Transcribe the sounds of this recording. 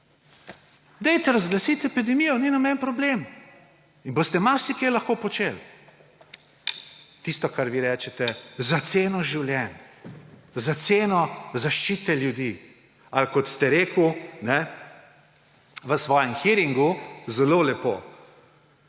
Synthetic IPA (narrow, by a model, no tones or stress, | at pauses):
d̪ɛjt̪ɛɾazɡlasit̪ɛpid̪ɛmijɔninamɛnpɾɔblem | inbost̪ɛmaɾsikejlɐxkoːpɔt͡ʃel | t̪ist̪ɔkaɾʋiɾɛːt͡ʃɛt̪ɛzat̪seːnɔʒiwlʲjɛn | zat̪seːnɔzaʃt͡ʃiːt̪ɛljud̪iː | alkɔt̪st̪ɛɾeːkunɛ | ʋəsʋɔːjɛmxiɾiŋɡuzɛlolɛpo̰